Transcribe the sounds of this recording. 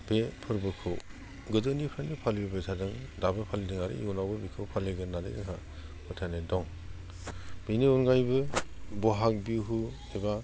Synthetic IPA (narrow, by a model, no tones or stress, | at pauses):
b̥epʰɯɾbɯkʰɯw | ɡɯzɯnipʰɾanipʰalibebetʰadɯŋdabɯpʰalidɯŋaɾɯ̰iɔnawbɯbikʰɯwpʰaleɡɯnadɯ̰jdɯŋɦa | mɯtʰanedɔŋ | beniɔnɡajbɯbɔɦak̚biwɦu | eba